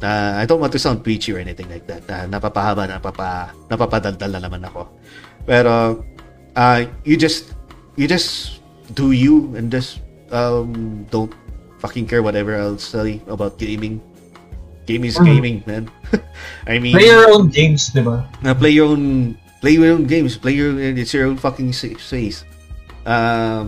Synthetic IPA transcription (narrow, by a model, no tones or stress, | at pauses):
ʔaajd̪õnwɐnt̪usãʊnd̪̚wit͡ʃʊʔɛnɪt̪ɪ̃ŋlajk̚d̪ɐt̪̚ɐnɐpapɐabaɐnɐpapanɐpapɐd̪ɐld̪ɐlnɐnɐmanɐko̞ | pɛːɾo | ʔɐjud͡ʒɐst̪ | jɨd͡ʒɐs | d̪̥ujuɛ̃nd͡ʒɐs | ʔɐmd̪õʊ̃nt̪̚ | fɐkɪ̃ŋkɛɹwɔt̪ɛvəɹaɪlsɛjɐbawt̪̚ɡ̥ẽɪ̃mɪ̃ŋ | ɡ̥ẽj̃mɪsɡẽɪ̃mɪ̃ŋmɛ̃n | ʔajmĩlejɔɹõʊnɡẽjmsd̪ɪbaɐplejɔɹõʊ̃n | plejɔɹõʊ̃nɡẽɪjmsplejɔɹonɛnɪt̪sjɔɹõʊnfɐkɪ̃ŋsseɪs | ʔam